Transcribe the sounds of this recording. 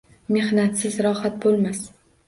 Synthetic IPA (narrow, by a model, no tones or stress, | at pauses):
me̞hnat̪sɪzɾɒhat̪̚bolˠmas